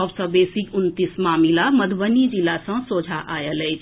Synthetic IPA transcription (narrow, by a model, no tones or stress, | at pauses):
ɔbsəbeːsikʊnt̪ismaːmilaməd̪ʱʋənid͡ʒilasə̃soːd͡ʒʱaʔaːjəlɛ